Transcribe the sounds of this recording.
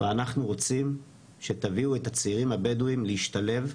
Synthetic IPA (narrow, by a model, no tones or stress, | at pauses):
veanaχnuʁo̞t͡sim | ʃe̞t̪aviuet̪at͡siʁimabeduimleiʃtale̞v